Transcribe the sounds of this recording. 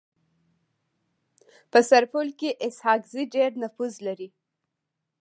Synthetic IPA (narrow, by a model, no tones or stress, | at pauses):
pəsaɾpulkeʔɪshɑkziɖeɾnafuzlaɾi